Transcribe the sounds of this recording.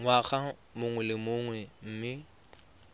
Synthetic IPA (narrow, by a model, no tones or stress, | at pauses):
ŋwaχa | mʊŋwɛlɪmʊŋwɛm̩ːmɪ